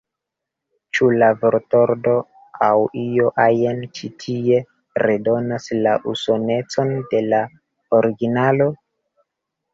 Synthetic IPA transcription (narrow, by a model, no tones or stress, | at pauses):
t͡ʃulavoɾto̞ɾdo̞ | awio̞ʔajent͡ʃitʰie̞ | ɾedo̞naslaʔuso̞ne̞t͡so̞nde̞la | oɾiɡinalo̞